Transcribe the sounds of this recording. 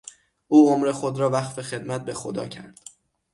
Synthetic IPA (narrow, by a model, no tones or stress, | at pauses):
ʔuːomɾe̞xo̞d̪ɾɒːvæxfe̞xe̞d̪mæt̪̚be̞xod̪ɒ̰ːcʰæ̰ɾd̪̥